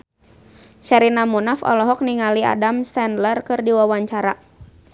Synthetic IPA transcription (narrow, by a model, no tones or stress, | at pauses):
ʃaɾinamunafɔ̰lɔɦɔk̚niŋalia̰damsɛndlərkɨrdiwawaɲt͡ʃaɾa